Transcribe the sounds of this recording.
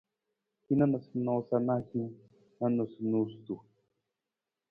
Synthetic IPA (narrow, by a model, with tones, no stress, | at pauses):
hi˦na˦na˨sno˨˦sa˦na˦xi˦ | na˦no˨snu˨st̪u˨